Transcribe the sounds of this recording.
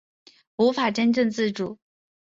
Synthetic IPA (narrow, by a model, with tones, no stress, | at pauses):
u˧˥fa˨˩ʈ͡ʂə˥nʈ͡ʂə˥˧ŋt͡sɹ̩˥˩ʈ͡ʂu˨˩˦